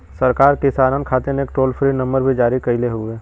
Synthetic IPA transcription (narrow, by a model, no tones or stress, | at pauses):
sɐɾkaːɾkɪsaːɾənkʰaːt̪eneːk̚ʈoːlpʰɾinɐ̃mbəɾbʱid͡ʒaːɾikɐileɦueː